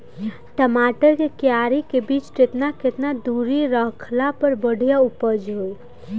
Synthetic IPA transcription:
ʈəmaʈəɾkekjaɾikebit͡ʃʈɾet̪naket̪nad̪uɾiɾəɦkʰlapəɾbəɽ̤ʱijaupəd͡ʒɦoj

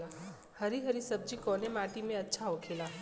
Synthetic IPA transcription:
a | həɾiɦəɾisəb̚d͡ʒikɔːnemaːʈimẽɐtːʃʰaɦokʰeːla

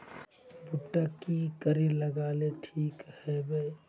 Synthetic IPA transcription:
bʊʈːakikəɾeləɡaːleʈʰiːkhɛbəi

